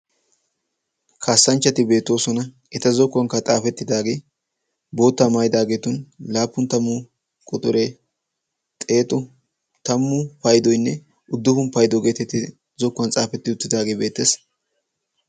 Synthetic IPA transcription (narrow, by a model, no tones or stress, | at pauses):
kʰaːsːɐnt͡ʃːɐt̪ɪbe̞ːt̪ːo̞ːsɔnɐ | ʔɛt̪ɐzɔkːʊwɐŋkːɐt͡sʼaːfɛt̪ːɪd̪aːɡeː | bo̞ːt̪ːɐmajɪd̪aːɡeːt̪ʊnlaːpːʊnt̪ɐmːʊ | kʼʊt̪ʼʊɾe | t̪ʼe̞ːt̪ʊ | t̪ɐmːʊpɐjd̪ɔjnːɛ | ʊd̪ːʊhʊnpɐjd̪ɔɡe̞ːt̪ɛt̪ːɪ | zɔkːwɐnt͡sʼaːfɛt̪ːɪʊt̪ːɪd̪aːɡeːbe̞ːt̪ːes